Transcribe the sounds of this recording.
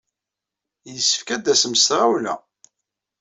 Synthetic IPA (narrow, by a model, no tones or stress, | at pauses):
jəsːə̥fkæd̪æsmsɾˤawlæ̰